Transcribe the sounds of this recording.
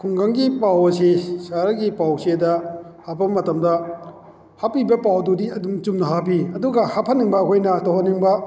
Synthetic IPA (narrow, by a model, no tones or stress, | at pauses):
kʰuŋɡaŋɡipawɐsisaɾɐɡipawsedɐhabɐmɐtɐmdɐ | hapibɐpawdudiɐdumt͡ʃumnɐɦapiɐduɡɐhapʰɐnːiŋbɐkʰojnɐtoɦɐnːiŋbɐ